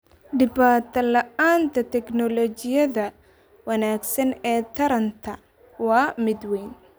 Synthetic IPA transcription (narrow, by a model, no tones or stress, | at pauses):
ɖɪbaːt̪ʰɐlɐʔaːnt̪ʰɐt̪ʰɛknɔlɔt͡ʃɪjɐðɐ | wɐnaːɡsɐnɛːt̪ʰɐɾɐnt̪ʰɐ | wɑːmɪd̪wɛjn